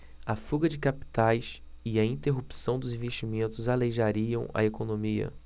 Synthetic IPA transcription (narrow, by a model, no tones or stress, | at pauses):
ɐfuɡɐd͡ʒɪkapi̥t̪ajs | ɪɐĩnt̪eɦupi̥sɐ̃w̃d̪ʊzĩveʃt͡ʃimẽnt̪ʊzaleʒaɾiɐ̃w̃ɐ̰ekonõmiɐ̰